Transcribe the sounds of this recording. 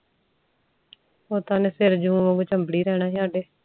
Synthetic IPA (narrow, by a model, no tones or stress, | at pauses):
oːt̪aːneːsɪɾd͡ʒũːʋə̃ːɡoːt͡ʃəmbɽiːɾɛːnaːɦiːaːɖeː